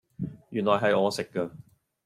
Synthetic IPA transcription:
jyː˨˩nlɔː˨˩jɦɐ˨jɔː˨˧sɪ˨kːə˧

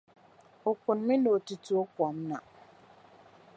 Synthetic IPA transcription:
o˨kʊ˨nmɪ̃˦no˨tu˨tu˨˦o˦kɔ˨m˦na̰˨

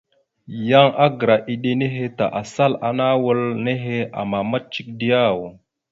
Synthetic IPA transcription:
ja˦ŋʔa˦ɡə˨ɾa˨ʔi˨ɗe˦ne˦ɦe˦ta˨ʔa˨sa˦la̰˨na˦wə˦lne˦ɦe˦a̰˨ma˨ma˦t̚t͡ʃi˦k̚di˦ja˦˨w

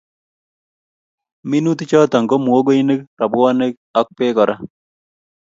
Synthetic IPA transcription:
mi˦nu˦t̪i˦t͡ʃɔ˦t̪a˨ŋɡo˦mu˨o˦ɡo˦i˦ne˦kɾa˨bʊ˦a˦ne˦k | ɔ˦k̚pe˦kɔ˨ɾa˦

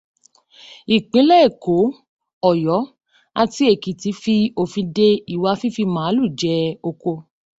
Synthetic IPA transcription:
i˨k͡pĩ˨˦lɛ˦˨ko˨˦ | ɔ˨jɔ˨˦ | a˧ti˦e˨ki˨ti˨˧˦fi˧o˧fĩ˧de˧i˨wa˧fi˦fi˧mã˨˦lu˦˨d͡ʒɛ˧o˧ko˧

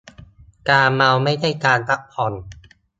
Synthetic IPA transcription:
kaː˧ma˧wma˥˩jda˥˩jkaː˧np̪a˦˥k̚pʰɔ˧n

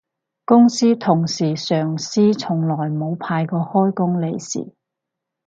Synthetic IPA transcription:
kʊ˥ŋsiː˥t̪ʰʊ˨˩ŋsiː˨˩sœː˨˩ŋsiː˥t͡sʰʊ˨˩ŋlɔː˨˩jmo˨˧wpʰaː˧jkɔː˧hɔː˥jkʊ˥ŋle˨˧jsḭː˨˩

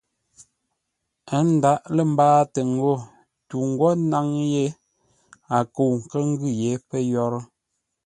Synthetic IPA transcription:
ə˦n̩˦˨da˦ʔlə˦˨m̩˦baː˦tə˨ŋ˨ɡo˦˨ | tu˨ŋ̩˨ɡwɔ˦na˦ŋje˦ | a˨ko˨ŋ̩˨kə˦ŋ̩˦ɡʉ˦˨je˨˦pə˦jɔ˦ɾə˦

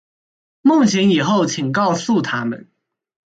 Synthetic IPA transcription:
mʊ˥˩ŋɕɛ˧˥ni˨˩xo˥˩ʊt͡ɕʰi˨˩ŋkɑ˥˧ʊsu˥˨˩t̪ʰa˥mə̰˨˦n

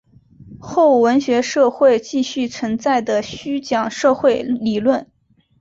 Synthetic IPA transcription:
xo˥˩ʊwə˧˥nɕɥɛ˧˥ʂɤ˥˧xwe˥˧ɪt͡ɕi˥˧ɕy˥˩t͡sʰwə˧˥nt͡sa˥˩ɪd̪ə˩ɕy˥t͡ɕjɑ˨˩ŋʂɤ˥˧xwe˥˩ɪli˨˩lwə˥˩n

